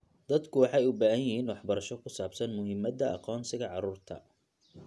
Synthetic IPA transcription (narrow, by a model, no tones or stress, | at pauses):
d̪̥ɐd̪kʰʊwɑħɑjʊbaːɦɐjɪhiːnwɑħbɐɾɐʃɔkʰʊsaːbsɐnmʊɦɪmːɐd̪ɐɑ̰qɔːnsɪɣɐʕɑɾuːrt̪ʰɐ̰